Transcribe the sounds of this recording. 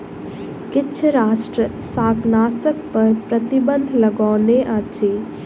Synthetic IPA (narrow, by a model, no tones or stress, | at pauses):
kɪtːʃʰəɾaːsʈɾə | saːknaːsək̚pɐɾpɾɐt̪ibə̃nd̪ʱlɐɡaːneʔat͡ʃʰi